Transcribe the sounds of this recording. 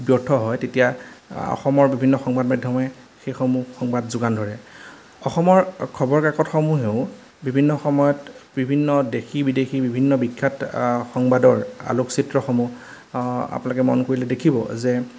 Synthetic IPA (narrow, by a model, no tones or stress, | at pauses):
bjɔɹtʰɔɦɔjtetijaɔ̰xɔmɔɹbibʱinːɔxɔŋbad̚madʱjɔmɛ | xejxomuxɔŋbadzʊɡandʱɔɹɛ | ɔxɔmɔɹkʰɔbɔɹkakɔtxɔmuɦeʊ̃ | bibʱinːɔxɔmɔjɔtbibʱinːɔdexibidexibibʱinːɔbikʰːatxɔŋbadɔɹa̰luksitɹɔxɔmu | a̰pnalɔk̬ɛmɔnkoɹilɛdekʰibɔ̰zɛ